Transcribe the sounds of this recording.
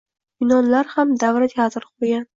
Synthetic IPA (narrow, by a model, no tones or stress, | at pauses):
b̥ɪnɒnlaɾhamd̪avɾat̪jazɾqʰojan